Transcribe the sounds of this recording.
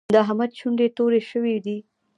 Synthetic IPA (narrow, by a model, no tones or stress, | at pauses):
d̪əɦamad̪̚t͡ʃʰuɳɖet̪oɾeʃəwid̪i